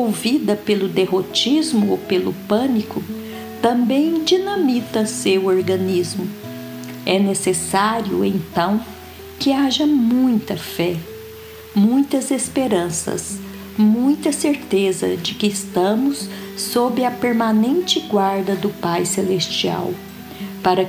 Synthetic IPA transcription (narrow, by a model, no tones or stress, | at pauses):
owvid̪ɐpelʊd̪eɦot͡ʃizmʊopelʊ̰pɐ̃nikʊ | t̪ɐ̃mbẽj̃d͡ʒinɐ̃mit̪ɐsewoɾɡɐ̃nizmʊ | ɛnesesaɾiʊ̰ẽnt̪ɐ̃w̃ | kɪaʒɐmũj̃t̪ɐfɛ | mũj̃t̪ɐzespeɾɐ̃sɐ̰s | mũj̃t̪ɐseɾt̪ezɐ̰d͡ʒɪkɪːst̪ɐ̃mʊsː | obɾɪɐpeɾmanẽnt͡ʃɪɡwaɾd̪ɐd̪ʊpajselest͡ʃia̰w | paɾɐ